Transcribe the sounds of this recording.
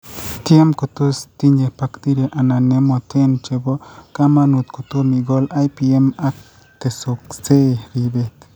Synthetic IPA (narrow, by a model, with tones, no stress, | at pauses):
t̪je˦mko˨t̪u˦st̪i˦ne˨pa˧kd̪i˦ɾe˨ʔa˨na˨ne˦mo˧t̪e˦nt͡ʃe˧bo˦ka˦ma˦˧nu˨t̪ko˨t̪u˦mi˨ɡo˦la˦jpie˦ma˦k̚ | t̪e˨so˨kt͡se˦ɾi˨˧be˦t̪